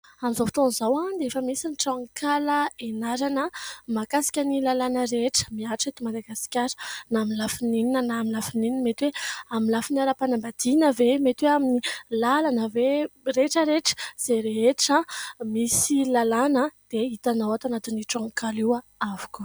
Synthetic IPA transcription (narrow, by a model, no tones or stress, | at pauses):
amizofi̥t̪onizawad̪eefəmisiniʈ͡ʂãŋkʰaləenaɾanəmakasḁkʲənilalanəɾeʈ͡ʂə̥miaʈ͡ʂet̪imad̪aɡasi̥kʲaɾnamilafinininənamilafinininmet̪weaminlafinaɾəpanambad̪̥inəvemet̪weaminilalanəvereʈ͡ʂəɾeʈ͡ʂə̥z̥eɾeeʈ͡ʂəmisilalanəd̪̥eit̪anawat̪anat̪iniʈ͡ʂãŋkalia | avu̥ku̥